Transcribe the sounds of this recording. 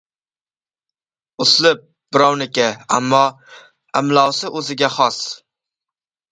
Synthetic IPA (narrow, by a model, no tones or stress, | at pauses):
ʊslɪp̚ | b̥ɪɾɒwnɪkʲaamːɒ | amlˠɒwsɪʔɵzɪɡʲaχɒs